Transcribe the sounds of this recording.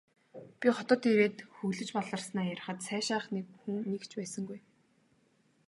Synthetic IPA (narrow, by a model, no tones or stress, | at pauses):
pʲiχɔt̪ɔːt̪ʰiweːt̪xɵɣɮɘ̆t͡ɕpɔɮə̆rsnaːjæɾ̆χə̆t̪sæːʃaːχnekxuŋnekt͡ɕpæːsə̆ŋɡuj